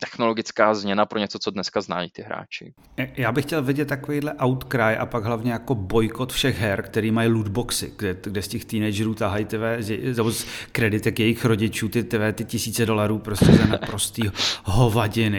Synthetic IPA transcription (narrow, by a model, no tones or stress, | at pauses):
t̪ɛxnoloɡɪt͡skaːzmɲɛnapɾoɲɛt͡sot͡sodnɛskazna̰jit̪ɪɦɾa̰ːt͡ʃɪ̰ | jaːbɪxcɛlvɪɟɛt̪ːakovejdlɛʔawt̪kɾajʔa̰paɡɦlavɲɛjako̞bo̞jko̞t̪fʃɛɣɦɛɾkt̪ɛɾiːmajludboksɪ̰ɡdɛɡdɛscɛxt̪iːnɛjd͡ʒɛɾuːt̪aɦajit̪ɪvɛːzjɛnɛboskɾɛdɪt̪ɛkjɛjɪxɾo̞ɟɪt͡ʃuːt̪ɪt̪ɪvɛːt̪ɪcɪsiːt͡sɛdo̞laɾuːpɾoscɛt̪ɛnapɾo̞st̪iːɦo̞vaɟɪnɪ